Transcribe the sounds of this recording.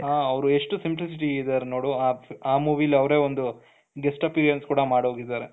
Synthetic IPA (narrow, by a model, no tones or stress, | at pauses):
ɦaːɐʋɾue̞ʂʈusimplis̬iʈiːd̪aɾeno̞ːɽuaaːmuːʋilːiɐʋɾe̞ːond̪u | ɡesʈɐpiːɾijɐnskuːɽɐmaːɽɦoɡid̪aːɾe